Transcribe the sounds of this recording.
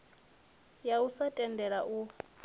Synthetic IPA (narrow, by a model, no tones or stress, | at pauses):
jausatʼɛndʱɛɺaʔu